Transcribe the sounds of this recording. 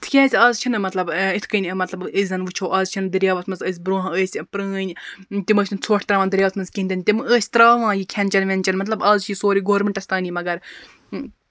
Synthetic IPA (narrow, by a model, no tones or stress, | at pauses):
t̪ʰkʲeːsʲaːzt͡ʃʰinɨmɐt̪lɐbit̪ʰkənʲmɐt̪lɐbəzʲɐnʋɨt͡ʃʰoːʔaːzt͡ʃʰind̪ɨɾʲjaːʋɐt̪ʰmɐnzəːs̬ʲbɾõːɦəːsʲpɾəːnʲt̪iməːsʲnt͡sʰoːʈʰʲt̪ɾaːʋãːd̪ɨɾʲjaːʋɐsʰmɐnzkʲiːnʲd̪ɐnʲt̪iməːsʲt̪ɾaːʋãːjikʲʰɐnʲt͡ʃɐnʋʲenʲt͡ʃɐnmɐt̪lɐbaːzt͡ʃʰisoːɾiːɡoːɾmeɳʈɐsʲt̪aːnimɐɡɐɾ